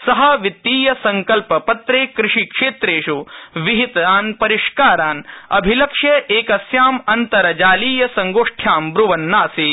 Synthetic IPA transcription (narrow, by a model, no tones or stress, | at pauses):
sɐɦɐʋit̪ːiːjɐsɐŋkɐlpɐpɐt̪ɾeːkɾɪʂikʂeːt̪ɾeːʂuʋiɦit̪ɐaːnpɐɾiʂkaːɾaːnɐ̰bʱilɐkʂjɐʔeːkɐsjaːmɐnt̪ɐɾɐd͡ʒaːliːjɐsɐŋɡoːʂʈʰjaːmbɾuʋɐnːaːsiː